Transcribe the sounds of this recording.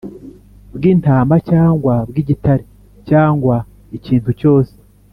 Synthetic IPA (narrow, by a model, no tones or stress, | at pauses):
bɡiːntaːmbacaːŋɡwabɡiːɟitaɾe | caːŋɡwa | iciːntuco̞ːse̥